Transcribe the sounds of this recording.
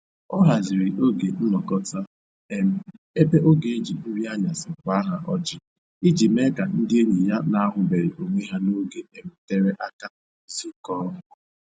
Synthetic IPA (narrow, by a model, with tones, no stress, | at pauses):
ɔ˦ɦa˨zɪ˨ɾi˨ʔo˦ɡe˨n̩˦nɔ˨kɔ˦ta˦ | e˦m̩˦ | e˦be˦ʔo˦ɡe˨e˦d͡ʒi˨n̩˦ɾi˦a˦ɲa˨sɪ˨kʷa˦ɦa˨ʔɔ˦d͡ʒɪ˦ | i˦d͡ʒi˨me˦ka˨n̩˦dɪ˦e˦ɲi˨ja˦na˦a˦ɦʊ˨be˨ɾi˨ʔo˨ŋʷe˦ɦa˦no˦ɡe˦e˨m̩˦te˦ɾe˦ʔa˦ka˦ | zi˦kɔ˦ɦʊ˨